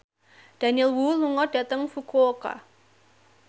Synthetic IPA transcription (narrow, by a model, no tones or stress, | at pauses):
d̥a̤niɛlwuluŋɔd̥ä̤t̪əŋfukooka̰